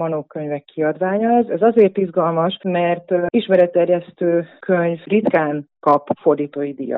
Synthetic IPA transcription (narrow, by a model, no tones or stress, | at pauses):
mɒnoːkøɲvɛkːiɒd̪ʋaːɲɒɛzɛzɒzeːrt̪izɡɒlmɒʃmɛrt̪iʃmɛɾɛt̪ːɛrjɛst̪øːkʰøɲvrit̪kaːnkɒpford̪iːt̪oːjid̪ḭjɒ̰